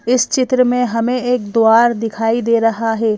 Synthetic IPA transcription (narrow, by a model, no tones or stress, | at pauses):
ɪst͡ʃɪt̪ɾəmẽɦɐmẽeːk̚d̪oaːɾd̪ɪkʰaːid̪eːɾɐɦaɦɛː